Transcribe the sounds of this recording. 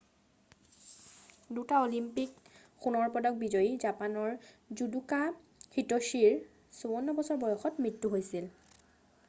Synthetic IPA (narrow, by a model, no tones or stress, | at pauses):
dutaolimpik | xunɔɹpɔdɔk̚bizɔjizapanɔɹzuduka | xitoʃiɹ | sobɔnːɔbɔsɔɹbɔjɔxɔtmɹitːuɦojsil